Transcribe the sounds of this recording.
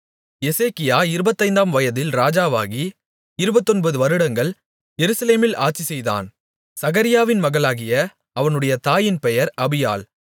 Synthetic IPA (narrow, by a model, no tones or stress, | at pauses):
jɛseːkɪjaːɪɾɯbɐt̪ːɐɪnd̪aːmʋɐjɐðɪlɾaːd͡ʒaːʋa̰ːɣi | ɪɾɯbɐt̪ːɔnbɐðɯʋɐɾɯɽɐŋɡɐɭ | jɛɾɯsɐleːmɪla̰ːʈ̚t͡ʃisɛjða̰ːn | sɐɣɐɾɪjaːʋɪnmɐɣɐɭaːɣɪjɐ | ɐʋɐnɯɽɐjɐt̪aːjɪnpɛjɐɾɐbɪja̰ːl